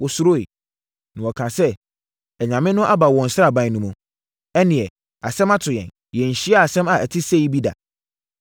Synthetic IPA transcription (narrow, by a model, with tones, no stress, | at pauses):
wɔ˨sʊ˦ɾo˦ḛ˨ | nʊ̃˨ɔ˨kʰã˨sɛ˦ | ɛ˨ɲã˨mɪ̃˦nʊ̃˦ʔa˦ba˨wɔ̃˨n̩˨sɾa˦˨bã˦nũ˦mʊ̃˨ | ɛ˦nɪ̃˨ɛ˨ | a˨sɛ̃˦ma˦tʰʊ˨jɛ̰̃˨n | jɛ˨ɲ̩˨ɕi˦a˦a˨sɛ̃˦ma˨ʔæ˨tʰɪ˦se˦i˦bi˦da̰˨